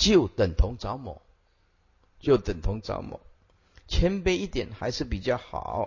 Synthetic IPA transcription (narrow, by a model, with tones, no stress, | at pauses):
t͡ɕjo˥˩ʊt̪ə˨˩ŋt̪ʰʊ˧˥ŋt͡sɑ˧˥ʊmɔ̰˨˦ | t͡ɕjo˥˩ʊt̪ə˨˩nt̪ʰʊ˧˥ŋt͡sɑ̰˧˥ʊmɔ̰˨˩˦ | t͡ɕʰjɛ˧˥npe˧˥ɪi˥˩t̪jɛ˨˩nxa˧˥ɪʂɻ̩˥˩pi˨˩t͡ɕjɑ˥˩ʊxɑ̰˨˩˦ʊ